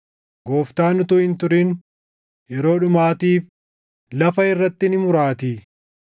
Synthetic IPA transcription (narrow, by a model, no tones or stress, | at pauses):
ɡo̞ːft̪aːnʊt̪ʊːhɪnt̪ʊɾin | jɛɾo̞ːᶑʊmaːt̪iːf | lɐfɐɪrːɐt̪ːɪnɪmʊɾaːt̪i